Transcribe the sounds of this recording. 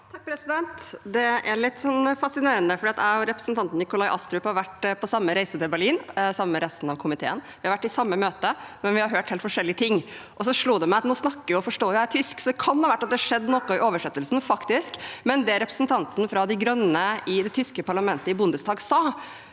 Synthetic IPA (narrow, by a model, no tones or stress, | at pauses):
t̪ʰɑk̚pʰɾɛsɪd̪ɛnt̪d̪ɛæɾɭɪt̪ːsɔnfɑsɪneːɾənəfɔɖiːɑt̪æɾɛpɾə̥sn̩t̪ʰɑnt̪n̩ɪkʊlɑɪʔɑst̪ɾʉːphɑɾʋæʈpʰɔsɑmːəɾæɪsət̪ʰɪlbæɭliːnsɑməmɛɾɛst̪n̩ɑʋkʰʊmɪt̪ʰḛːənʋɪhɑɾʋæʈːɪsɑmːəmøːt̪əmɛnʋɪhɑɾɦøːʈheːlt̪fɔʂɛlːɪət̪ʰɪŋː | ʔɔs̬ɔʂɭuːd̪ɛmɛæɑt̪nuːsnɑkːəɪɔfɔʂʈoːjʊætʰʏsksɔd̪ɛkʰɑnhɑːʋæʈːɑt̪̚d̪ɛhʂɛd̪ːnɔkʊɪʔoːʋəʂɛt̪ːəlsnfɑkt̪ɪskmɛnd̪ɛæɾɛpɾə̥snt̪ʰɑnt̪n̩fɾɑd̪ɪɡɾœnːəɪd̪ɛt̪ʰʏskəpʰɑɭɑmɛnt̪əɪbʊnd̪əsd̪ɑːɡsɑː